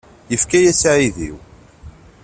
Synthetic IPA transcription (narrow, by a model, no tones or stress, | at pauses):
jəfkæjæsʕiðḭw